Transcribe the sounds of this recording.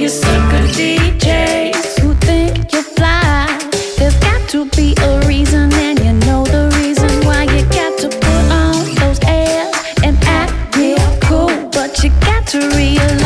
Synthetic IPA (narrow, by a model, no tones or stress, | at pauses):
jɨsoɡʊdid͡ʒeɪzhuθɪ̃ŋkjə˞fla | ðəsɡɑtʰəbiʔəɹizə̃nɨ̃njɨnoʊðəɹizə̃nwaɪjɨɡɑtʰɨpʰʊɾn̩ðoʊzɛz̥ | ɨ̃nɨt̚wikʰub̥ʌt͡ʃɨɡɑtʰɨɹiəl